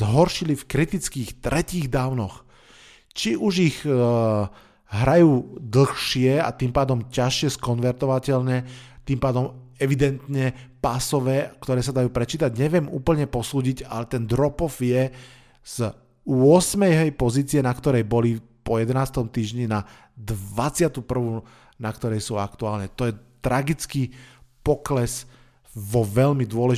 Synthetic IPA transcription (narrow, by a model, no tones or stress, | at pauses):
zɦɔɾʃilifkɾit̪it͡skiːxt̪ɾʔɛciːɣd̪aːʊnɔx | t͡ʃiʔuʒiɣ | ɦɾajuːd̪l̩xʃɪɛa̰t̪iːmpaːd̪ɔmcaʃɪɛskɔnʋɛɾt̪ɔʋacɛlɲɛt̪iːmpaːd̪ɔmɛʋid̪ɛnt̪ɲɛpasɔʋɛːkt̪ɔɾɛːsad̪ajuːpɾɛt͡ʃiːt̪aɟɲɛʋɪɛmṵːpl̩ɲɛpɔsuːɟiɟa̰lɛt̪ɛnd̪ɾɔpɔfjɛ | z̥ | ʊɔsmɛjɦɛjpɔziːt͡siɛnakt̪ɔɾɛjbɔli | pɔjɛd̪ɛnaːst̪ɔmt̪iːʒɲina | d̪ʋat͡sɪat̪upr̩ʋu | nakt̪ɔɾɛjsuːakt̪uaːlɲɛt̪ɔjɛt̪ɾaɡit͡skiːpɔklɛs | ʋɔʋɛʎmid̪ʊɔlɛʒ